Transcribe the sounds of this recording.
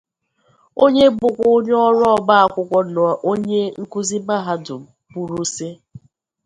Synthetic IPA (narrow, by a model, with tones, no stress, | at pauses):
o˦ɲe˦bʊ˨kʷʊ˦o˦ɲ˦ɔ˦ɾɔ˦˨ba˦a˨kʷʊ˦kʷɔ˦nʊ˨a˨ʔo˦ɲe˦ŋ̩˦ku˦zi˦ba˦ɦa˦dʊ˨pu˨ɾu˦se˦